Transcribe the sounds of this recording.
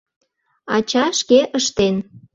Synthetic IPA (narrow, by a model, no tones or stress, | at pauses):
ɑt͡ɕɑʃkeʔəʃt̪en